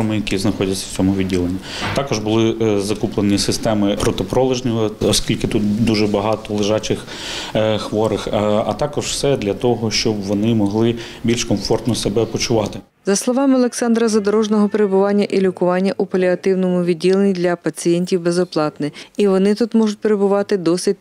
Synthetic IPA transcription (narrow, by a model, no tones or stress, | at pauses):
ɔmɪjɐkʲiznɐxɔdʲɐsʲːɐw̥t͡sʲɔmʊʋʲidʲːilˠenʲːi | t̪ɑkɔʒbʊlˠɪzɐkuplˠenʲisɪst̪ɛmɪpɾɔt̪ɔpɾɔlˠɪʒnʲɔɔɔsʲkʲilʲkɪt̪ut̪̚d̪uʒɛbɐɦɑt̪ɔlˠɪʒɑt͡ʃɪx | xʋɔɾɪxɐ̰t̪ɑkɔʒw̥sɛd̪lʲɐt̪ɔɦɔʃt͡ʃɔbʋɔnɪmɔɦlˠɪ | bʲilʲʃkɔmfɔrt̪nɔsebɛpɔt͡ʃʊʋɑt̪ɪ | zɐslˠɔʋɑmɪɔlˠeksɑnd̪ɾɐzɐd̪ɔɾɔʒnɔɦɔpeɾebʊʋɑnʲːɐʔilʲʊkʊʋɑnʲːɐʔupɐlʲiɐt̪ɪwnɔmʊʋʲidʲːilˠenʲid̪lʲɐpɐt͡sʲijɛnʲtʲiwbezɔplˠɑt̪nɪiʋɔnɪt̪ut̪mɔʒʊt̚ʲpeɾe̞bʊʋɑt̪ɪd̪ɔsɪt̚ʲ